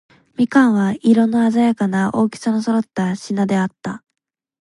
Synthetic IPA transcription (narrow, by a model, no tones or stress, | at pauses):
mʲikãɰ̃βaiɾo̞nːoazajakanaʔo̞ːkʲi̥sanosoɾo̞t̪ːaɕinad̪e̞at̪ːa